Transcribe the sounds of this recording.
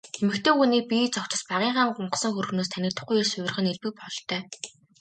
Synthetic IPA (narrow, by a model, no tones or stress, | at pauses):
xemɘ̆kt̪ʰeːxuniːpʲit͡sɔkt͡ɕə̆spaʁiːɴχaːɴɢʊɴɢə̆sə̆ŋxɵɾɵ̆xnoːst̪ʰænʲĭːt̪ə̆χujeːsʊwʲɪ̆rʁə̆neɮpɘ̆k̚pɔɮt̪œː